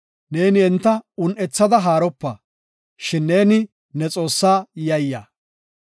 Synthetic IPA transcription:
ne̞ːnɪɛnt̪ːɐʊnʔɛt͡sːɐd̪ɐɦaːɾɔpːɐ | ʃɪnːe̞ːnɪ | nɛt͡sʼo̞ːsːaːjɐjːa̰ː

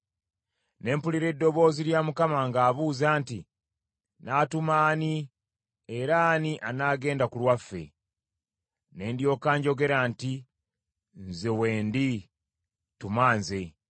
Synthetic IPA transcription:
ne̞ːmpuliɾe̞dːo̞βo̞ːziɾjaːmukamaŋɡaːβuːzaːnti | naːtumaːni | eɾaːniʔanaːɡe̞ːndakulwafːe̞̰ | ne̞ːndjo̞ːkaːɲɟo̞ɡe̞ɾaːnti | nzewe̞ːndi | tumaːnze̞

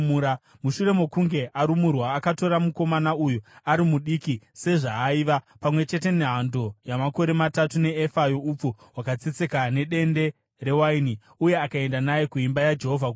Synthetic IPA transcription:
ɾa | muʃure̞mokuŋɡe̞ʔaɾumurwaːkato̞ɾamuko̞manaujuaɾimuɗikise̞ʐaːiːʋa | pamwe̞t͡ʃe̞te̞neɦando̞jamako̞ɾe̞matatune̞ːfajoup͡fu | wakat͡set͡se̞kane̞ɗe̞nde̞ | re̞waini | uje̞akae̞ndanajekuimbajad͡ʒe̞ɦo̞vʱak

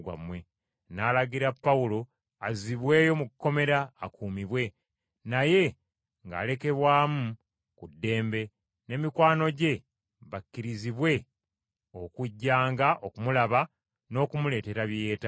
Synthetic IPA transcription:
wa̰mwe̞ | naːlaɡiɾapːaulo̞ | aziβwe̞ːjo̞mukːo̞me̞ɾaːkʰuːmiβwe̞ | naje̞ | ŋɡa̰ːle̞ke̞βwaːmu | kudːe̞ːmbe̞ | ne̞mikwaːno̞ɟe̞ | βakːiɾiziβwe̞ | o̞kuɟːaːŋɡaʔo̞kumulaβa | no̞ːkumule̞ːte̞ɾaβje̞ːta

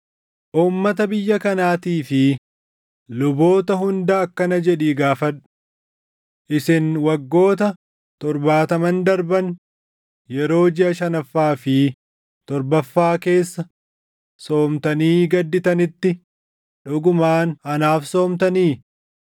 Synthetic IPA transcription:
ʔuːmːɐt̪ɐbɪjːɐkɐnaːt̪iːfɪ | lʊbo̞ːt̪ɐɦʊnd̪ɐɐkːɐnɐd͡ʒɛᶑiːɡaːfɐᶑʊ̥ | ʔɪsɪnwɐɡːo̞ːt̪ɐ | t̪ɔɾbaːt̪ɐmɐnd̪ɐɾbɐn | jɛɾo̞ːd͡ʒɪɐʃɐnɐfːaːfɪ | t̪ɔɾbɐfːaːke̞ːsːɐ | so̞ːmt̪ɐniːɡɐd̪ːɪt̪ɐnɪt̪ːɪ | ᶑʊɡʊmaːnɐnaːfso̞ːmt̪ɐniː

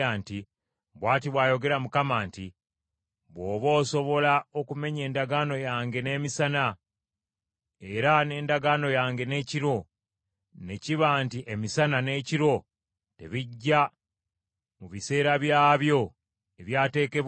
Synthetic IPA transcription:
aːnti | βwaːtiβwaːjo̞ɡe̞ɾamukamaːnti | βoːβo̞ːso̞βo̞lao̞kume̞ɲe̞ːndaɡano̞jaːŋɡe̞ne̞ːmisana | eɾane̞ːndaɡano̞jaːŋɡe̞ne̞ːciɾo̞ | ne̞ciβaːntiʔemisanane̞ciɾo̞ | te̞̰βiɟːa | muβise̞ːɾaβjaːβjo̞ | eβjaːte̞ːke̞β

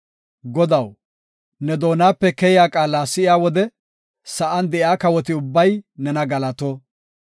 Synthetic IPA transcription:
ɡɔd̪ɐw | nɛd̪o̞ːnaːpːɛkɛjɪjaːkʼaːlaːsɪɪaːwɔd̪ɛ | sɐʔɐnd̪ɛjaːkɐwɔt̪ɪʊbːɐjnɛnɐɡɐlɐt̪ɔ

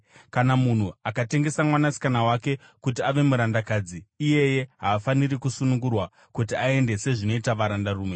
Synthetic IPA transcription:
kanamun̤uakate̞ŋɡe̞samwanasi̥kanawake̞ | kutiaʋe̞muɾandakaːd͡ziːje̞je̞ɦaːfanirikusunuŋɡurwa | kut̬iae̞nde̞se̞ʐino̞itaʋaɾandaruːme̞

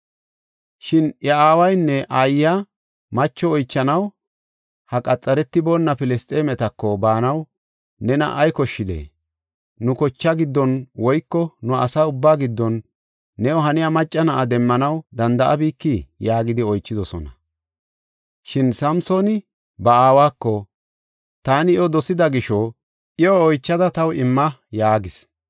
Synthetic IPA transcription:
ʃɪnɐaːwɐjnːɛʔaːjːa | mɐt͡ʃːɔɔjt͡ʃːɐnɐw | hɐkʼɐt͡sʼːɐɾɛt̪ːɪbɔnːɐpɪlɛst̪ʼeːmɛt̪ɐkːɔbaːnɐw | nɛnɐ̰ʔɐjkɔʃːɪd̪ḛ | nʊkɔt͡ʃːɐɡɪd̪ːɔnwɔjkːɔnʊɐsaːʊbːaːɡɪd̪ːɔnː | ɛjɔɦɐnɪjamɐt͡ʃʼːɐnɐʔad̪ɛmːɐnɐwd̪ɐnd̪ɐʔɐbiːkːijaːɡɪd̪ɪɔjt͡ʃːɪd̪ɔsɔ̰nɐ | ʃɪnsɐmsoːnɪ | bɐaːwaːkːɔ | t̪aːnɪjɔd̪ɔsɪd̪ɐɡɪʃɔ | ʔɪɔːjt͡ʃːɐd̪ɐt̪ɐwɪmːɐjaːɡɪs

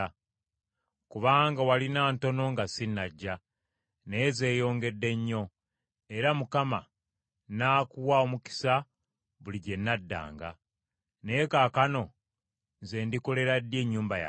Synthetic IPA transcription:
kuβaːŋɡawalinaːnto̞no̞ŋɡasinːaɟːa | nejeze̞ːjo̞ːŋɡe̞dːe̞ɲːo̞ | e̞ɾamukama | naːkuwao̞muki̥sa | βuliɟe̞nːadːa̰ːŋɡa̰ | neekaːkano̞ | ze̞ːndiko̞le̞ɾadːje̞ːɲːuːmbaja̰

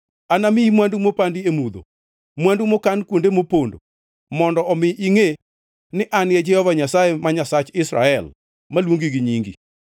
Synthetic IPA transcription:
anamɪimwandumopandiemud̪o̰ | mwandumokankwondemopondo̰ | mɔndɔɔmɪʔiŋe | nɪʔanjɛd͡ʒɛhɔvaɲasaemaɲasat͡ʃɪsɾa̰ɛl | malwoŋɡiɡiɲiŋɡḭ

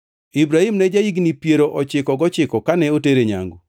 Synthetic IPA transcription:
ibɾahimnɛd͡ʒaiɡnipjeɾoʔɔt͡ʃɪkɔɡɔt͡ʃɪkɔkanɛoteɾeɲa̰ŋɡo

